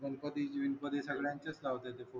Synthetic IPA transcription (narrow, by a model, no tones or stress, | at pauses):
ʋənpəd̪id͡ʑʋinpəd̪esəɡɭjãɲt͡ɕəslaʋt̪et̪efo